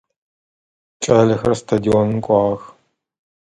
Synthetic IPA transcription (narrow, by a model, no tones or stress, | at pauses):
t͡ʃʼɐːɮɐxɐrstʰadionkʷʼɑːʁɐx